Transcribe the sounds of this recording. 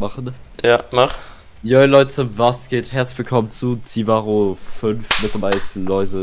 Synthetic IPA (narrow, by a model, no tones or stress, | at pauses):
maχn̩jaːmaχ | jɔʏlɔʏtt͡sʊmvasɡ̥eːthɛɐtsɪçv̥ɪlkʰɔmənt͡sut͡sivaːʁofʏnfmɪtlɐvaɪslɔʏzə